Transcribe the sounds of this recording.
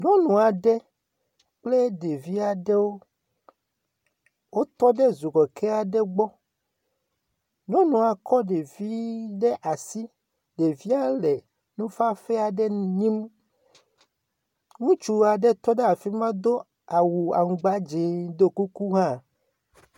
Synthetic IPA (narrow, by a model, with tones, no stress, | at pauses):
ɲɔ̃˦nũ˨a˨ɖɛ˦ | k͡ple˦ɖe˨vi˦a˨ɖe˦wo˦ | wo˦t̪ɔ˦ɖɛ˦zu˨ɡɔ˨kʰe˦a˨ɖɛ˦ɡ͡bɔ˦ | ɲɔ̃˦nũ˨a˨kɔ˦ɖe˨vi˦ɖɛ˦ʔa˨si˦ | ɖe˨vi˦a˦le˨ | nũ˦fa˦fe˦a˨ɖɛ˦n˨˦ɲĩ˦m | ŋũ˦t͡ʃu˦a˨ɖe˦t̪ɔ˦ɖe˦a˨fi˦mã˦d̪o˦ | a˨wu˨a̰˨ŋũ˨ɡ͡ba˦d͡ʒe˨d̪o˦ku˦ku˦ɦã˦